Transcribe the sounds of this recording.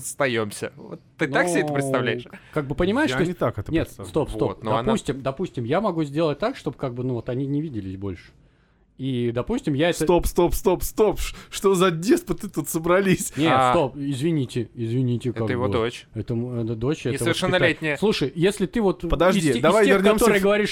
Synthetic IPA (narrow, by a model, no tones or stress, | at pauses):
st̪ɐjomsʲə̰vo̰t̪ːɨnaksɪɛəpɾʲɪst̪ɐvlʲæjɪkaɡ̚bɨpənʲɪmaɪt̪oɪt̪akɛt̪ənʲet̪st̪o̞pso̞t̚nd̪ɐpusʲtʲɪmd̪ɐpusʲtʲɪmjamɐɡuzʲdʲe̞lˠət̚ʲt̪akʂt̪o̞bɨkaɡ̚bɨnuvo̞t̪ɐnʲinʲɪvʲidʲɪlʲɪsʲbo̞̰lʲʂɨ̥ | id̪ɐpusʲtʲɪmjaɛsət̪opst̪opst̪opst̪opʂʂt̪ozɐdʲespət̪ɨt̪ut̪səbɾɐlʲisʲnʲet̪st̪o̞pɪzvʲɪnʲitʲɪɪzvʲɪnʲitʲɪkɛaɡ̪əjɪvod̪ot͡ɕɛt̪əmɛd̪əd̪o̞t͡ɕɛsəəvʲɪrʂɛnnːɐlʲet̪ʲnʲɪjəslˠuʂəjjesʲlʲɪt̪ɨvo̞t̪pəd̪ɐʐdʲid̪ɐvajʲɪrʲkaomoɾɨjəɡəvɐɾʲiʂ